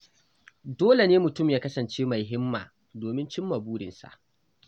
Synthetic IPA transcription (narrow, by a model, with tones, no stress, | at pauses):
doː˦le˨neː˦mʊ˨tʊ˦˨mjaː˦kɐ˦sɐ˨nt͡ʃeː˦ma˨jɦɪ˦mːa̰ː˨ | doː˨mɪ˦nt͡ʃɪ˦mːa˨buː˦ɽɪ̰˨nsa̰˨ʔ